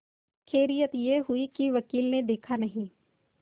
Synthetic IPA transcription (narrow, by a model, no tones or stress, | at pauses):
kʰeːɾijət̪jeɦʊikiʋɐkiːlned̪eːkʰanɐɦĩː